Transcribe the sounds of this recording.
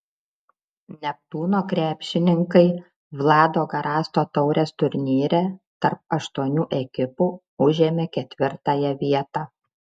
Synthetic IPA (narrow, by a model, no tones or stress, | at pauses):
nʲɛp̚t̪uːnoːkɾʲæːpʲʃʲɪnʲɪŋkɐɪ | ʋlˠɑːd̪oːɡɐɾɑːst̪oːt̪ɒʊɾʲeːst̪ʊɾʲnʲiːɾʲɛt̪ɐɾp̚ɐʃt̪uɔnʲuːʔɛkʲɪpuː | ʊʒʲeːmʲeːkʲɛt̪ʲʋʲɪɾt̪ɑːjɛʋʲiɛt̪ɑː